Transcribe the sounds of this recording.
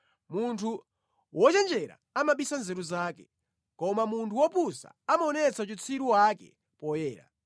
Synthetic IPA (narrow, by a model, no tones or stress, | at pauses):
muntʰu | wʔɔt͡ʃɛnd͡ʒɛɾa̰amaɓisanzɛɾuzaːkɛ | kɔmamuntʰuwɔpusa̰amaɔnɛt͡sʰat͡ʃit͡sʰiɾuwakɛ̰ | pɔjɛːɾa̰